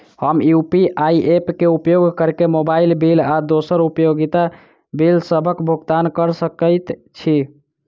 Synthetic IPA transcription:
həmjupiʔajiepkeupjoɡʱkəɾkemobailbilad̪osəɾupjoɡit̪a | bilsəbʱəkbʱuɡt̪ankəɾsəkəɪt̪t͡ʃʰi

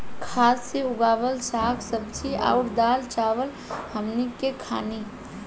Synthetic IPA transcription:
kʰasːeuɡabəlsakʰsəbt͡ʃʰia̰uʈd̪alt͡ʃaʋəl | həmnikekʰa̰ni

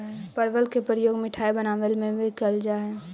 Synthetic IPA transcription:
pəɾʋəlkepɾɾəjoːɡmɪʈʰaːebənaːʋəlmẽʋekəld͡ʒaːɦɛ

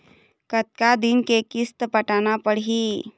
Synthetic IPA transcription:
kət̪̚kad̪ɪnkekɪst̪pəʈaːnapəɽɦi

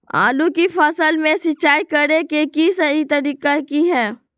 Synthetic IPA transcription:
a̰ːlũkifɐsəlmẽsɪt͡ʃːaːikɐɾekekisɐɦit̪ɐɾiːqakiɦɛː

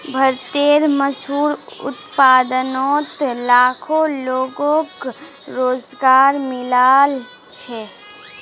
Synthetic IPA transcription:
bʱəɾt̪eːɾməsɦuːɾʊ̰t̪paːd̪ənɔːt̪laːkʰoloːɡõk | ɾoːzɡaːɾmɪlaːl | t͡ʃʰɛ

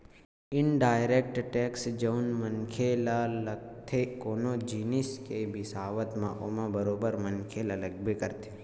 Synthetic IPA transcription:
ɪnɖaːjɾekʈʈeːksd͡ʒəunmənkʰelaləɡ̚t̪ʰekoːnod͡ʒinɪskebɪsaːʋət̪mã̰ʔomãbəɾoːbəɾmənkʰelaləɡ̚bʱekəɾt̪ʰe̥

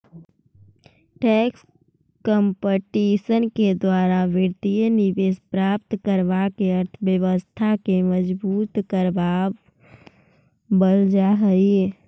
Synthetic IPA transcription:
ʈɛːks | kə̃mpəʈiːʃənked̪waːɾaʋɪɾt̪ijənɪʋeːspɾaːpt̪kəɾʋakeɐɾt̪ʰʋjəʋəst̪ʰakeməd͡ʒbuːt̪kəɾʋaːb | bəld͡ʒaɦəi

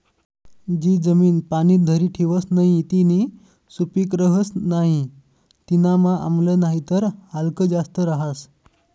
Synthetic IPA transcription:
d͡ʑiːd͡zəmiːnpaniːt̪̚d̪ʱəɾiːʈʰiʋəsnaɦit̪iniː | supiːkɾəɦəsnaɦi | t̪inamaʔa̰mlənaɦit̪əɾhalkəd͡zast̪əɾaɦas

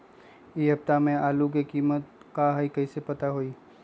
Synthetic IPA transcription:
eɦɐpt̪amẽaːluk̬ekiːmət̪̚kaɦaikɐisepɐt̪aɦoiː

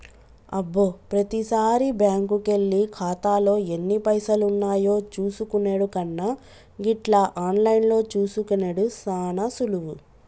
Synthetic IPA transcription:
ɐbːoːpɾɐt̪isaːɾibjaːŋkuke̞ɭːikʰaːt̪aːlo̞ːe̞nːipɐjsɐlunːaːjo̞ːt͡ʃuːsukuneːɽukɐnːɐ | ɡiʈlɐʔaːnlɐjnlo̞ːt͡ʃuːsukunɐɽusaːnɐsuluʋu

